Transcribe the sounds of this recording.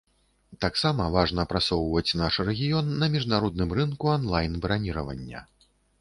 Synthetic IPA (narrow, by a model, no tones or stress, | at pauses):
t̪aksamɐvaʐnɐpɾasɔwvɐt͡sʲnaʂrɛɣʲijɔnːɐmʲiʐnaɾɔd̪̚nɨmɾɨnkuanlˠajnbɾanʲiɾɐvɐ̰nʲːɐ̰